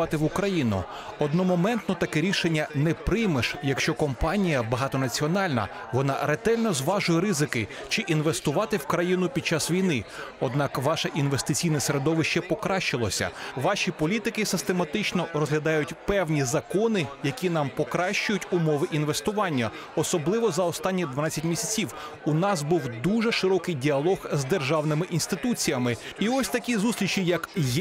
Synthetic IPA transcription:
ɑt̪ɪʋʊkɾɐjinʊ̰ | ɔd̪nɔmɔmɛnt̪nɔt̪ɐkɛɾʲiʃenʲːɐnɛpɾɪjmeʃjɐkʃt͡ʃɔkɔmpɑnʲijɐbɐɦɑt̪ɔnɐt͡sʲiɔnɑlʲnɐ̰ | ʋɔnɑ̰ɾet̪ɛlʲnɔzʋɑʒʊjɛɾɪzɪkɪ | t͡ʃɪʔinʋe̞st̪ʊʋɑt̪ɪwkɾɐjinʊpʲid̪̚t͡ʃasʋʲijnɪɔd̪nɑkʋɑʃɐʔinʋest̪ɪt͡sʲijnɐseɾed̪ɔʋɪʃt͡ʃɛpɔkɾɑʃt͡ʃɪlˠɔsʲɐ̰ʋɑʃʲipɔlʲit̪ɪkɪsɪst̪emɐt̪ɪt͡ʃnɔrɔzɦlʲɐd̪ɑjʊtʲpɛwnʲizɐkɔnɪjɐkʲinɑmpɔkɾɑʃt͡ʃʊjʊtʲʊmɔʋɪʔin̪ʋest̪ʊʋɑnʲːɐ | ɔsɔblˠɪʋɔzɐɔst̪ɑnʲːid̪ʋɐnɑt͡sʲɐtʲmʲisʲɐt͡sʲiw | ʊnɑsbuwd̪uʒɛʃɪɾɔkɪjdʲiɐlˠɔɣzd̪erʒɑwnɪmɪʔinst̪ɪt̪ut͡sʲijɐmɪiɔsʲt̪ɐkʲizust̪lʲit͡ʃijɐkj

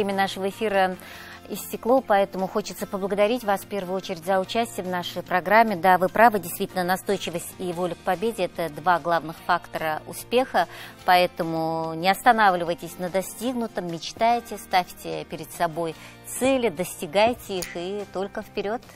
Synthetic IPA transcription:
vɾʲemʲənaʂəvəɪfʲiɾə | ɪsʲtʲɪklˠo̞pɐɛt̪əmʊxo̞t͡ɕɪt̪səpəblˠəɡəd̪ɐɾʲitʲvasfʲpʲe̞rvʊjʊo̞t͡ɕɪɾʲɪtʲzəʊt͡ɕæsʲtʲɪjəmvnaʂəjpɾɐɡɾamʲːɪd̪avɨpɾavədʲɪjst̪vʲitʲɪlʲnənɐst̪o̞jt͡ɕɪvəsʲtʲivo̞lʲɪk̚pɐbʲedʲɪɛt̪əd̪vaɡlˠavnɨxfakt̪əɾəʊ̰spʲe̞xəpɐɛt̪əmʊnʲɪɐst̪ɐnavlʲɪvəjtʲɪsʲnəd̪ɐsʲtʲiɡnʊt̪əmːʲɪt͡ɕt̪ajtʲɪst̪afʲtʲɪpʲɪɾʲɪd̪sɐbo̞j | t̪sɛlʲɪd̪əsʲtʲɪɡajtʲɪixɨt̪o̞lʲkəfpʲɪɾʲo̞t̪

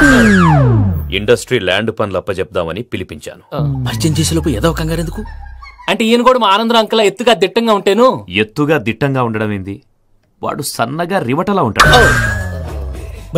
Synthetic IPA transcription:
ḭɳɖɐsʈɾiːlaːɳɖpɐnlɐpːɐt͡ʃɛp̚d̪aːmɐnipilipiɲt͡ʃa̰ːnupɐɾt͡ʃɐɲt͡ʃeːsilɐpuɛd̪ɐːʋɐkɐŋɡaːɾend̪ukuɐɳʈeiːnɐɡɔːɽɐmaaːnɐnd̪ɾɐɐŋkɐlɐːet̪ːuɡaːd̪iʈːɐŋɡaːuɳʈeːnuet̪ːuɡaːd̪iʈːɐŋɡaːuɳɖɐɽɐmend̪i | ʋa̰ːɽusɐnːɐɡaːɾiʋɐʈɐlaːuɳʈɐɽɐ

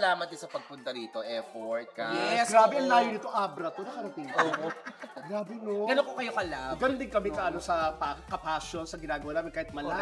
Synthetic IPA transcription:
laːmɐt̪̚ːɪsɐpɐɡ̚pʊnt̪ɐɾiːt̪o̞ʔɛfoɹt̪̚kɐjɛɛsɡɾaːbɛʔɐŋlaːjonɪt̪o̞ʔaːbɾɐt̪onɐkɐɾɐp̪iŋko | ɡɾaːbɛnoɡɐnokokɐjokɐlaɡɐnʊnd̪ɪŋkɐmɛkɐʔɐnosɐpakɐpasonsɐɡɪnaːɡɐwaːnaːmɪnkaːhɪt̪̚mɐla

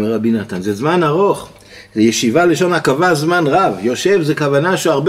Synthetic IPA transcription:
meʁabinat̪anzezmanaʁo̞χ | zejeʃivaleʃo̞nakavazmanʁavjo̞ʃe̞vzekavanaʃuaʁb

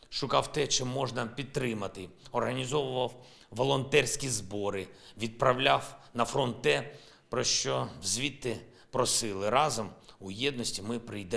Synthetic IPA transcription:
ʃʊkɑwt̪ɛt͡ʃɪmːɔʒnɐpʲid̪̚t̪ːɾɪmɐt̪ɪɔrɦɐnʲizɔʋʊʋɐw | ʋɔlˠɔnt̪ɛrsʲkʲizbɔɾɪ | ʋʲid̪̚pɾɐwlʲawnɐfɾɔntt̪ːɛ | pɾɔʃt͡ʃɔwzʲʋʲit̪ːɪ | pɾɔsɪlˠɪɾɑzɔmujɛd̪nɔsʲtʲimɪpɾɪjd̪ɛ

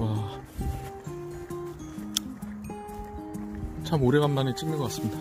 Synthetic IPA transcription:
wa | t͡ɕʰamoɾeɣɡanmanet͡ɕ͈ʰimːiɡʌkas͈ɯmɲida

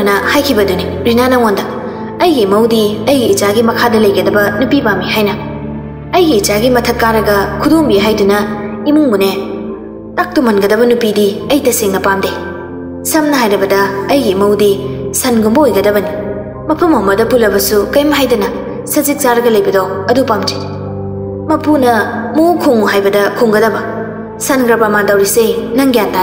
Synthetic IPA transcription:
nɐhajkʰibɐduni | ɾinanɐŋondɐ | ɐjɡimɐwdiɐjɡiːt͡ʃaɡimɐkʰadɐlɐjɡɐdɐbɐnupibamiɦajnɐ | ɐjɡiːt͡ʃaɡimɐtʰɐtkːaɾɐɡɐkʰudombiɦajdunɐimuŋbune | tak̚tumɐnɡɐdɐβɐnupidiɐjtɐsiŋnɐpamde | sɐmnɐɦajɾɐbɐdɐɐjɡimɐwdisɐnɡumbɐojɡɐdɐbɐni | mɐpʰɐmɐmɐdɐpulɐbɐsukɐjmɐɦajdunɐ | sɐzik̚t͡ʃaɾɐɡɐlɐjbɐdowɐdupamd͡ʒid | mɐpʰunɐ | mowkʰuŋuɦajbɐdɐkʰuŋɡɐdɐbɐ | sɐnɡɾɐpamandɐwɾisenɐŋɡijanta

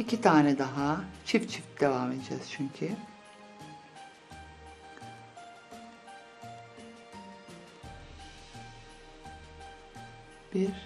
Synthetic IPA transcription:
icʰit̪ʰaːnɛd̪aɦat͡ʃʰift͡ʃʰift̪̚d̪e̞vamed̪ed͡ʒɛz̥t͡ʃʰyɲcʰy | b̥iɾ

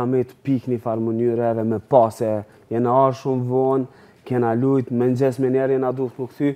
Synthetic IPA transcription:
amɛt̪piknifaɾmənyɾɛvɛmɛpasɛ | jɛnaaɾʃumvɔn | kɛnalujt̪mɛnd͡ʑɛsmɛnɛɾjɛnad̪uθnəkt̪y

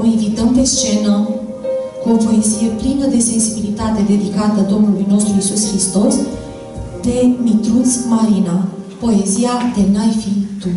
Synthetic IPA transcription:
invit̪əmpe̞st͡ʃe̞nə | kuo̞po̞e̞zije̞plinəd̪e̞se̞nsibilit̪at̪e̞d̪e̞d̪ikat̪əad̪o̞mnulujno̞st̪ɾuisuskɾist̪o̞s | d̪̥e̞mit̪ɾusmaɾinapo̞e̞ziad̪e̞najfit̪u

